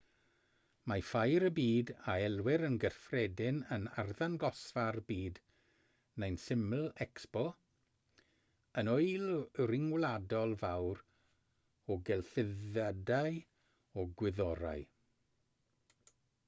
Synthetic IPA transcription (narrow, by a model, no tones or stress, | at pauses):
mafajɾəbiːdaɛlˠwɪɾənɡərfrɛdɪnənarðanɡɔsvarbiːd | nejnsɪml̩ˠɛkspɔ | ənojlrɪŋwladɔlˠvawɾ | ɔɡɛlˠθɪðadaj | ɔɡwɪðɔɾa̰j